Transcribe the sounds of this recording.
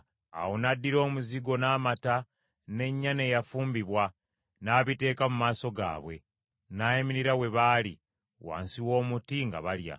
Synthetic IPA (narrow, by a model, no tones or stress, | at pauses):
a̰wo̞nadːiɾo̞ːmuziɡo̞naːmata | ne̞ɲːane̞ːjafuːmbiβwa | naːβite̞ːkamumaːso̞ɡa̰ːβwe̞̰ | naːjimiɾiɾawe̞βaːlḭ | wa̰ːnsiwo̞ːmutiŋɡa̰βalja̰